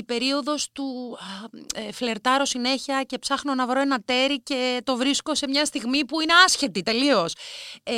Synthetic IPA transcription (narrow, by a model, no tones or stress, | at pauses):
ipe̞ɾio̞ðo̞st̪u | efle̞ɾt̪ɐɾo̞sine̞çiɐce̞psɐxno̞nɐvɾoe̞nɐt̪e̞ɾice̞t̪o̞vɾisko̞se̞mɲɐst̪iɣmipuine̞ɐsçe̞t̪it̪e̞lio̞s